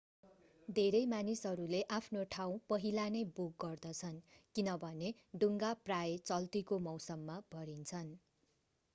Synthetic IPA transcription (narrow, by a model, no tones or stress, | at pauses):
d̪ʱeɾʌjmanisɦʌɾuleʔapʰnoʈʰaw̃pʌɦilanʌjbuk̚ɡʌrd̪ʌt͡sʰʌnkinʌbʱʌneɖuŋɡaprajet͡sʌlt̪ikomʌwsʌmːabʱʌɾint͡sʰʌn